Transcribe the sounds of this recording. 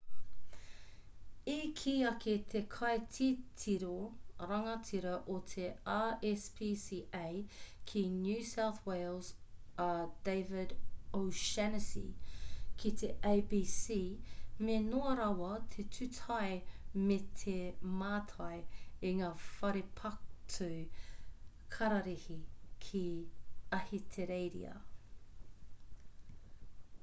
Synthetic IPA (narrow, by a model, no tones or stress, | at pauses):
ikʰiːɐkʰet̪ʰekʰɐjtʰitʰiɾoɾɐŋɐtʰiɾɐʔotʰeaːɛspʰisiːʔejkʰinjʉːsawθweɪlˠzɐd̥eɪvɪdoʊʃɛnəsḭkʰit̪ʰeʔeɪbiːsiːmenoɐɾɐwɐt̪ʰetʰʉtʰɐjmet̪ʰemaːtʰɐjiŋaːfɐɾipʰɐk̚tʰʉ | kʰɐɾɐɾihikʰi | ɐhitʰeɾejɾḭɐ̰